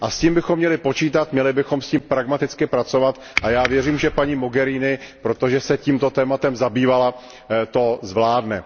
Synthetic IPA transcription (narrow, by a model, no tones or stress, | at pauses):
ʔasciːmbɪxomːɲɛlɪpo̞t͡ʃiːt̪at̪mɲɛlɪbɪxo̞msciːmpɾaɡmat̪ɪt͡skɪpɾat͡so̞vat̪ | ʔajaːvjɛriːmʒɛpaɲiːmo̞ɡɛɾiːnɪpɾo̞t̪oʒɛsɛciːmt̪o̞t̪ɛːmat̪ɛmzabiːvala | t̪o̞zvlaːdnɛ